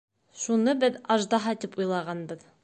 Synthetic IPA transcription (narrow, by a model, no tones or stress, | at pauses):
ʃunɤbɘðɑʒd̪ɑɦɑt̪ɘpujlˠɑʁɑnbɤð